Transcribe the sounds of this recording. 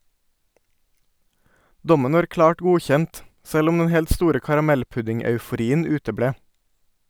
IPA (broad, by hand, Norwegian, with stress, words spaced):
ˈdɔmən ˈʋɑːɾ ˈklɑːʈ ˈɡuːˌçɛnt ˈsɛl ˈʊm ˈdɛn ˈhɛlt ˈstuːɾə kɑɾɑˈmɛlˌpʉdɪŋœʉfʊˌɾiːən ˈʉːtəˌbɽeː